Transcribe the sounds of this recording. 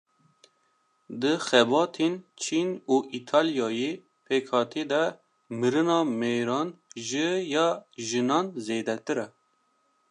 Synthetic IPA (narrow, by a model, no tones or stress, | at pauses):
d̪ɨxɛbɑːt̪ʰent͡ʃʰinuːʔit̪ʰɑːljɑːje | pʰeːkʰhɑːt̪ʰeːd̪ɛ | mɨɾɨnɑːmejɾɑːnʒɨjɑʒɨnɑːnzeːd̪ɛt̪ɨɾɛ